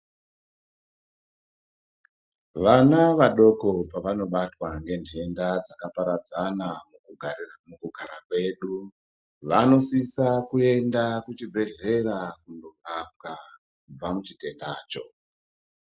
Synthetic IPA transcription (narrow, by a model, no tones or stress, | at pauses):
ʋanaʋaɗo̞ko̞paʋano̞ɓatwaŋɡe̞ntʰe̞ndad͡zakapaɾad͡zanamuuɡʱmukuɡʱaɾakwe̞ɗu | ʋano̞sisakue̞ndakut͡ʃibʱe̞ɮe̞rakundorap̚ka | kub͡vamut͡ʃite̞ndaːt͡ʃo̞̰